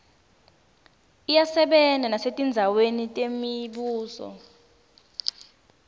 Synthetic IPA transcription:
ijasɛɓɛndʱanasetʼind͡zʱawenitʼemiɓuːsɔ̰

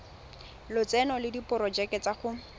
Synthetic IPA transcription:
lʊt͡sɛnɔlɪdipʊɾɔd͡ʒɛkɛt͡saχʊ

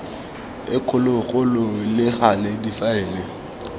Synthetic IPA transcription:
ɪkʰʊlʊɣʊlʊlɪχaledifaɛːlɪ

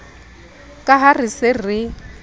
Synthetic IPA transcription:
kʼaɦarɪsɪrɪ

